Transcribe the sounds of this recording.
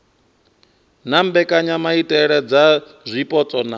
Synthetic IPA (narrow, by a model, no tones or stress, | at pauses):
nambɛkʼaɲamaitʼɛɺɛd͡za | zʷipʼɔt͡sʼɔna